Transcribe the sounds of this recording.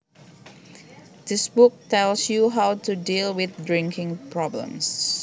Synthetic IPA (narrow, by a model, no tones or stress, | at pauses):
d̪ɪsbʊk̚tɛlsjuɦawtudilwɪθdɹɪ̃ŋkʰɪ̃ŋpʰɹɔblə̰̃ms